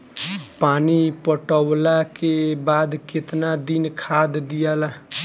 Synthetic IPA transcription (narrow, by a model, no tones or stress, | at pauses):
panipəʈəwlakebaːd̪ket̪nad̪inkʰad̪d̪ijala